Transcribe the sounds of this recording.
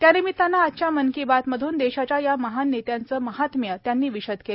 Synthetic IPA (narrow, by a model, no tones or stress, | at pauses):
t̪janimiːt̪ːanːaːtːt͡ɕamənkibat̪məd̪ʱuːnd̪eɕat͡ɕjajaməɦanːet̪jant͡səːməɦat̪mjət̪janːiːʋiɕəd̪ke